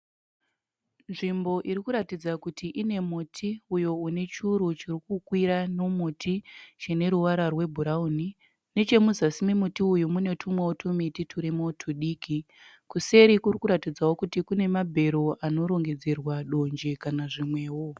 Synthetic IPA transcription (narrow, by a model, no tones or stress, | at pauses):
nʐimbo̞ʔiɾikuɾatid͡zakutiʔine̞mutʰiujo̞une̞t͡ʃuɾut͡ʃirikukwiɾano̞mutʰit͡ʃene̞ɾuʋaɾarwe̞bʱuɾauni | ne̞t͡ʃe̞muzasimimutiujumune̞tʰumwewotʰumititʰuɾimotʰuɗiːki | kuse̞ɾikurikuɾatid͡zawo̞kutikune̞mabʱe̞ɾo̞ʔano̞ɾo̞ŋɡe̞d͡zerwaɗo̞nd͡ʒekanaʐimwe̞ːwo̞